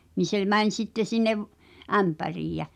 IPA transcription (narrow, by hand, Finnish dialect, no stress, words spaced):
ni se mæn̞ʲ sitːe sinːeʋ ʔæmpæriːj jæ